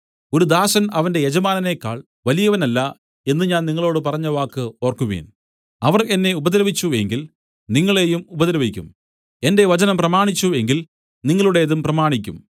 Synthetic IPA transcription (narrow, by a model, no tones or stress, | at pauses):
o̞ɾud̪aːɕɐnɐʋɐnde̞jed͡ʑɐmaːnɐne̞kːa̰ːɭ | ʋɐlijɐʋɐnɐlːɐ | e̞nːɨɲaːnniŋːɐɭo̞ːɽɨpɐrɐɲːɐʋaːkːɨo̞ːrkuʋḛːn | ɐʋɐre̞nːe̞ubɐðɐɾɐʋit͡ɕːue̞ŋɡil | niŋːɐɭe̞ːjumubɐðɐɾɐʋikʲːṵm | e̞nde̞ʋɐt͡ɕɐnɐmprɐmaːɳit͡ɕːue̞ŋɡil | niŋːɐɭuɽe̞jðumprɐmaːɳikʲːum